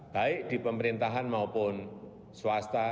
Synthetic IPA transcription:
b̥a̤ɪʔd̪̥i̤pəməɾint̪aɦanmaupʊn | swast̪a

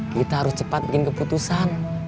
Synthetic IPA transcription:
kit̪aɦaɾʊst͡ʃəpat̪̚bikɪnkəput̪usan

